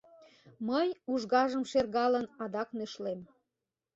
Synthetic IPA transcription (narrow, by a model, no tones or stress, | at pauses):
məjuʒɣɑʒəmʃerɣɑlənɑd̪ɑknøʃlem